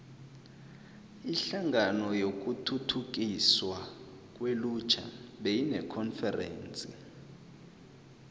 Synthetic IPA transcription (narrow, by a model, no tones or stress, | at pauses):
iɬaŋɡanɔjok̬ʼutʰutʰuk̬iswa | k̬ʼwelut͡ʃʰa̰ɓejinɛkʰɔnfɛrɛ̰ːnt͡sʼḭ